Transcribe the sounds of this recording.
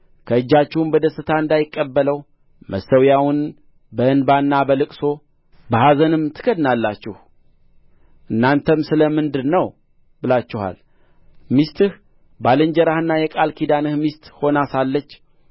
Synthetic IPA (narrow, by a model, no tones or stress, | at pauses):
kʰəɨd͡ʒːat͡ʃːɪhumbəd̪əsɨt̪ʰaɨnd̪ajɪkʼːəbːələw | məsəwjawʊn | bəʔɨnbanːabəlɨkʼso̞ | bəhazənɨmt̪ʰɨ̥ɡəd̪nalːat͡ʃːɪh | ʔɨnːant̪ʰəmsɨləmɨnd̪ɨnəw | bɨlat͡ʃːɪha̰l | mist̪ʰɨh | balɨɲd͡ʒəɾahɨnːajɛkʼalkʰid̪anɨhmist̪ho̞nasalːət͡ʃː